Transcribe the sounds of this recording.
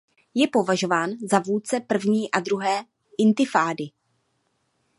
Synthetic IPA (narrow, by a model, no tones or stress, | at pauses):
jɛpo̞vaʒo̞vaːnzavuːt͡sɛpr̩vɲiːʔadɾuɦɛː | ʔɪnt̪ɪfaːdɪ